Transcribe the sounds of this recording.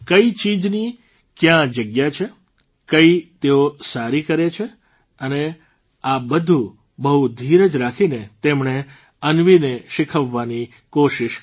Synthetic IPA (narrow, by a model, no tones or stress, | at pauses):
kəit͡ʃid͡ʒni | kjãd͡ʒəɡjat͡ʃʰe | kəit̪eosaɾikəɾet͡ʃʰe | əne | abəd̪ʱũ | bəɦud̪ʱiɾəd͡ʒɾakʰinet̪emɳe | ənʋineʃɪkʰəʋːani | koʃiʃ